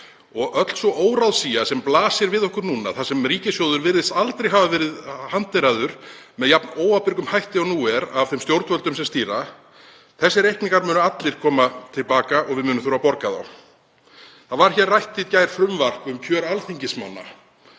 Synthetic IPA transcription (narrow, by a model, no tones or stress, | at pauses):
ɔɣœt̪l̥sɔʔoːwɾawðsiːjasɛmplaːsɪɾvɪðɔhkʏɾnuːna̰θasɛmriːcɪsjowðʏɾvɪɾðɪst̪alt̪ɾejɦavavɛɾɪðhant̪veɾaðʏɾ̥ | mɛðjapnoːwapɪɾkʏmhajht̪ɪɔnuːɛɾav̥θɛmst̪jowɾt̪vœlt̪ʏmsɛmst̪iːɾa | θɛsːɪɾehknɪŋkaɾmʏːnʏat̪lɪɾ̥kʰɔːmat̪ʰɪlpaːkaʔɔɣvɪðmʏːnʏmθuɾapɔɾkaða̰w | θaðvaɾ̥çɛːrːajht̪ːɪt̪caːjɾ̥fɾʏmvar̥kʏmcʰœːɾalθiɲcɪsma̰nːa̰